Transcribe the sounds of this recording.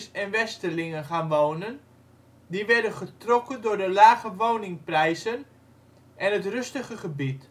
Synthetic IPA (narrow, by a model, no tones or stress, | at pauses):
sɛnʋɛstəlɪŋənχaːnʋownən | diʋɛɹdənχətrɔkəndʊːrdəlaːɣəʋownɪŋprɛjzən | ʔɛnətrɵstəχəχəbit